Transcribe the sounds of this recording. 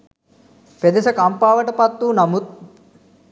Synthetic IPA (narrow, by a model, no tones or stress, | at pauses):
ped̪ɐsɐkɐmpaːʋɐʈɐpɐt̪ːunɐmut̪̚